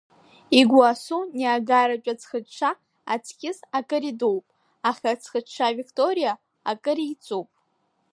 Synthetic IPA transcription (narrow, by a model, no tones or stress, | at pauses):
iɡʷasuniaɡaɾat͡ʃʷʼat͡sʰχəʈ͡ʂʰa | a̰t͡sʰkʲɪsakʼɨɾidowpʼ | aχʲat͡sʰχəʈ͡ʂʰavikʰtʼoɾija | akʼɨɾit͡sʷʼowpʼ